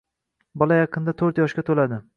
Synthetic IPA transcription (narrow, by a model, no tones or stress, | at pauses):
bɒlˠajɑqʰɨnd̪at̪ʰɵɾt̪jɒʃkʲat̪ʰolad̪ɪ